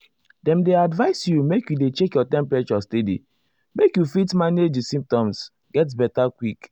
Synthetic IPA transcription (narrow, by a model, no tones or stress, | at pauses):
dɛ̃mdeadvaɪsjumekjudet͡ʃekjɔtɛ̃mpɹet͡ʃɔstedḭ | mekjufitmaned͡ʒisĩmp̚tɔ̃ms | ɡɛt̬bɛtakwik